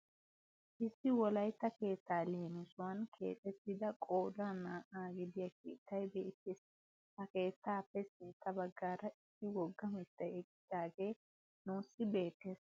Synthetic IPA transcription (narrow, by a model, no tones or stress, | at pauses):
ʔɪsːɪwɔlɐjt̪ːɐke̞ːt̪ːaːleːnɪsʊwɐnkʰe̞̰ːt̪ʼːɛt̪ːɪd̪ɐkʼoːd̪aːnaːʔaːɡɪd̪ɪjɐkḭːt̪ːɐjbḛːt̪ːɪs | hɐke̞ːt̪ːaːpːɛsɪnt̪ːɐbɐɡːaːɾɐʔɪsːɪwɔɡːɐmɛt̪ːɐjɛɡɪd̪aːɡeː | nuːsːɪbe̞ːt̪ːeːs